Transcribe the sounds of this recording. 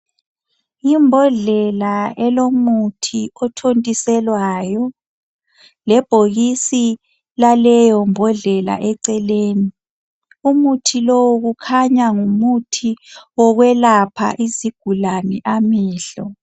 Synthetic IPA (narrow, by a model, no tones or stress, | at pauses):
imbʱɔɮɛlaɛlomutʰiɔtʰontʼisɛlwaːjɔ | lɛb̥ʱoɣisi | lalɛjɔmbʱɔɮɛla̰ʔɛǀɛleːni | umutʰilɔwɣukʰaɲaŋumutʰiwɔɣwɛlapʰa̰ʔiziɡ̥ʱulanɛʔamɛːɬɔ